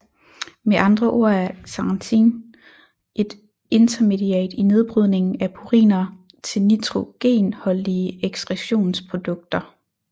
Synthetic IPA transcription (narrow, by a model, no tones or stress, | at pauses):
meʔɑ̈nd̥ʁɐʔo̝ɐ̰æɐsɑ̈nt͡sʰḭn | ʔe̝d̥ | e̝nt͡sʰɐme̝d̥iɛ̰ːd̥ine̝ð̞ˠb̥ʁyð̞ˠne̝ŋn̩æpʰuʁḭːnɐ | t͡sʰe̝lnit͡sʰʁo̝ɡ̥e̝̰ːnhɒ̽liəeɡ̥sd̥ʁɛɕo̝̰ːnspʰʁo̝d̥ɔ̽ɡ̥̚d̥ɐ